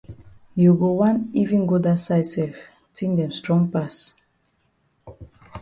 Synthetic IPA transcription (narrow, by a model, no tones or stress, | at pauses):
juɡowãnivĩnɡodasajsɛf | tĩŋdɛ̃mstɹɔ̃ŋpas